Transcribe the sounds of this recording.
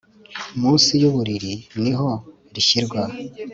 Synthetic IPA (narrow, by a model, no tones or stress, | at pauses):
umuːnsijuβuɾiɾiniɦo̞ | ɾiçiɾɡwa